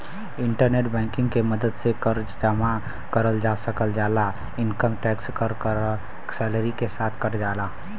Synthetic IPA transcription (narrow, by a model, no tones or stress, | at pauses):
iɳʈəɾneʈbɛ̃ŋkĩŋɡkeməd̪əd̪sekəɾd͡ʒd͡ʒama | kəɾəld͡ʒasəkəld͡ʒala | inkəmʈɛkskəɾk | sɛləɾikesat̪ʰkəɾd͡ʒala